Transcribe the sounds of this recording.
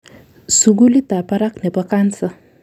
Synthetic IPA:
suɡulit̪apaɾaknebɐkant͡sʰɐ

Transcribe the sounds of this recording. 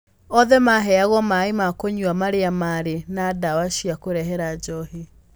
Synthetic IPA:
ɔðɛmaɦɛaɣɔmaemakoɲuamaɾeamaɾenadawaʃiakoɾɛɦɛɾad͡ʒɔhi

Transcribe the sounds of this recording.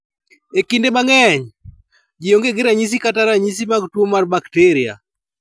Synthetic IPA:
ekindemaŋɛɲ | d͡ʒɪoŋɡeɡɪɾaɲis̬ikataɾaɲis̬imaɡtwomarbakteɾia̰

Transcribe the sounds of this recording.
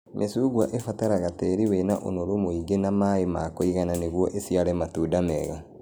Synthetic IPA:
mʔesuːɣwaʔefataɾaɣatɛɾiwɛnaʔo̰noɾomoiɡenamaemakoiɣananeɣwɔʔesiaɾɛmatuːdamɛɣa

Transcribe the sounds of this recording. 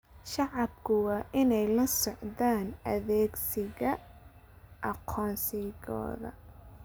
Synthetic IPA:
ʃɑʕɑbkʰʊwɑːʔɪnɛjlɐsɔʕðaːnɐðɛːɡsɪɣɐ | ʔɑqʰɔːnsɪɣɔ̰ːðɐ̰

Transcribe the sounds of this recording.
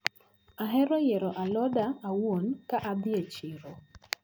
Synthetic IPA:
aɦɛɾɔjɛɾɔʔalɔdaawonkaʔad̪ɪet͡ʃɪɾo

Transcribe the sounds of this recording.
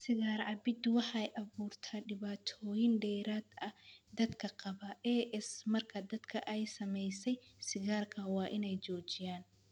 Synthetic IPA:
sɪɣaːrʕɑbɪd̪wɑħɑjʔɐβuːrt̪ʰaːɖɪβaːt̪ʰɔːjɪnɖɛːɾaːd̪ɐd̪ɐd̪kʰɐqɑβɐʔɛːʔɛsmɐrkʰɐd̪ɐd̪̥kʰɐʔɛjsɐmɛjsɛjsɪɣaːrkʰɐwɑːʔɪnɛjt͡ʃɔːt͡ʃɪjaːn

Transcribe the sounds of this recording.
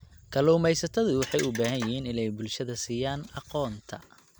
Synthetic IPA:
kʰɐluːmɛjsɐt̪ʰɐðʊwɑħɑjʊbaːɦɐnjɪhiːnɪnɛjbʊlʃɐðɐsiːjaːnɑqɔːnt̪ʰɐ̰

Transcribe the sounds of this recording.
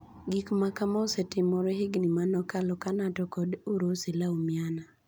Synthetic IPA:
ɡikmakamaosetɪmɔɾeɦɪɡnimanɔkalɔkanatɔkɔdoɾoselaomjana

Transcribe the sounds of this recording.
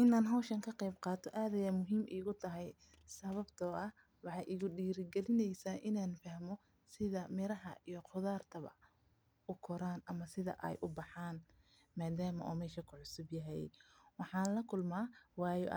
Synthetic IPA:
ʔɪnaːnɦɐwʃɐŋkʰɐqɛjbqɑːt̪ʰɔʔaːðɐjamʊɦiːmʔḭːɣʊt̪ʰɐɦɛj | sɐβɐbt̪ʰɔʔɐ | wɑħɑjʔiɣʊɖiːɾɪɡɛlɪnɛjsaːʔɪnaːnfɐhmɔ | sɪðɐmɪɾɐɦɐ̰ijɔqʰʊðaːrt̪ʰɐβɐ̰ | ʔʊkʰɔɾaːnʔɐmɐsɪðɐ̰ʔɛ̰jʔʊbɑħaːn | maːd̪aːmɐ̰ʔuːmɛːʃɐkʰʊʕʊsʊbjɐɦɛjwɑħɑːnlɐkʰʊlmaːwɑːjɔ̰ʔ

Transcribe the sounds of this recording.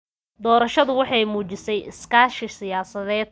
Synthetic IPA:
d̪ɔːɾɐʃɐðʊwɑħɑjmuːt͡ʃɪsɛjɪ̰skaːʃɪsɪjaːsɐðɛːd̪̚

